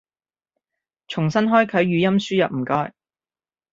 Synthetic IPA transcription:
t͡ʃʰʊ˨˩ŋsɐ˥nɦɔː˥jkʰɵ˨˥ɥɥyː˨˥jɐ˥msyː˥jɐ˨p̚m̩˨˩kɔː˧˥j

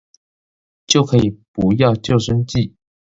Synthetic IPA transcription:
t͡ɕjo˥˩ʊkʰɤ˧˥i˨˩pu˧˥jɑ˥˧ʊt͡ɕjo˥˩ʊʂə˥nt͡ɕi˥˩

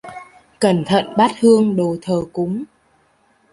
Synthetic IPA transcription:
kə˨˩nt̪ʰə̰˧˨nɓa˦˥t̚hɨ˧əŋɗo˨˩t̪ʰəː˨˩kʊ˨˦ŋ͡m

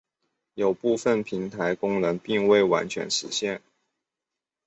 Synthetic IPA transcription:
jo˨˩ʊpu˥˧fə˥˨˩npʰi˧˥ŋt̪ʰa˧˥ɪkʊ˥ŋnɤ˧˥ŋpi˥˧ŋwe˥˩ɪwa̰˧˥nt͡ɕʰɥɛ̰˧˥nʂɻ̩˧˥ɕjɛ˥˩n

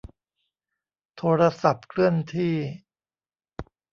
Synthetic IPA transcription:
t̪ʰoː˧ɾa˧sa˨˩p̚kʰlɯ˥˩ənt̪ʰiː˥˩

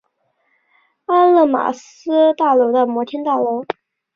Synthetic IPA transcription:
a˥nlɤ˥˩ma̰˨˩sɹ̩˥t̪a˥˩lo˧˥d̪ə˧mwɔ˧˥t̪ʰi˥nt̪a˥˩lo˧˥ʊ

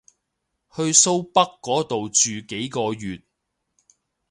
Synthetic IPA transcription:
hɵ˧ɥso˥wpɐ˥kːɔː˨˥t̪o˨wt͡ʃyː˨ke˨˥jkɔː˧jyː˨t̚

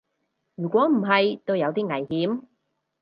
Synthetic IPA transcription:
jyː˨˩kʷɔː˨˥m̩˨˩ɦɐ˨jt̪o˥wjɐ˨˧wt̪iː˥ŋɐ˨˩jhiː˨˥m

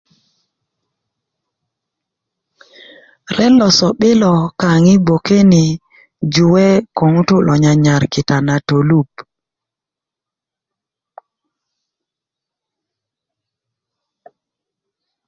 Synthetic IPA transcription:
ɾɛ˦lɔ˨sɔ˨ɓɪ˦lɔ˨ka˨ŋɪ˦bo˨ke˦nɪ˨ | d͡ʒʊ˨wɛ˦ko˨ŋu˦tʊ˦lʔɔ˨ɲa˨ɲa˨ɾkɪ˨ta˨na˨to˨lu˦˨p

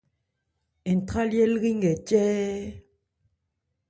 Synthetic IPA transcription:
e˨n̩˨tʁa˦ljɛ˦lɣi˦ŋ˦ɡɛ˨t͡ʃɛː˦

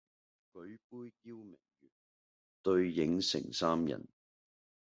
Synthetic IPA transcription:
kɵ˨˥ɥpuː˥jːiː˥wmɪ˨˩ŋjyː˨˩n | t̪ɵ˧ɥjɪ˨˥ŋsɪ̰˨˩ŋsaː˥mjɐ̰˨˩n

